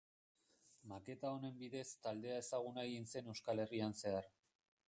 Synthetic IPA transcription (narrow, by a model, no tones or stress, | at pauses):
make̞t̪ao̞ne̞mbiðe̞st̪ald̪e̞ae̞saɣ̞unajinse̞ne̞wskale̞rianse̞ar